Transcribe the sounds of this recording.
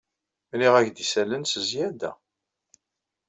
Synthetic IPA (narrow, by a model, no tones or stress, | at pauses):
mliʁæçd̪isælənsəzjæd̪æ̰